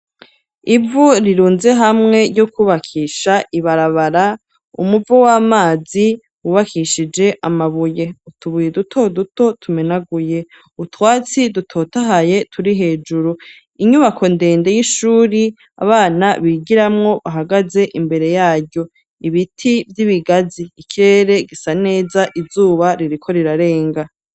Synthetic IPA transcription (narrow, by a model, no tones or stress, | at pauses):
ivuɾiɾuːnze̞ɦamŋe̞jokuβakʰiːʃaʔiβaɾaβaɾa | ṵmuvowaːmaːzi | wuβakʰiʃid͡ʒe̞ʔamaβuje̞utʰuβujedutʰo̞duto̞tʰumenaɡuje̞ | utwaːt͡sidutʰo̞ːtaɦaje̞tʰuɾiɦe̞ːd͡ʒuɾu | iɲuβakʰo̞nde̞ːnde̞jiʃuːɾi | a̰βaːnaβiːɡiɾamŋo̞βaɦaɡaze̞ʔimbe̞ɾe̞jaːɾɟjo̞ | iβitʰivjiβiɡaziːkʰiɾe̞ɾe̞ɡisane̞ːzaʔizuːβaɾiɾikʰo̞ɾiɾaɾe̞ːŋɡa